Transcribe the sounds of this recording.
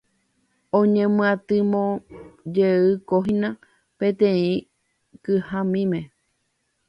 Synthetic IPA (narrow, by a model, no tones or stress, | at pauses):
õɲẽmɨ̃ãt̪ɨmõd͡ʒeɨkoɦĩnã | pẽt̪ẽĩ | kɨhãmĩmẽ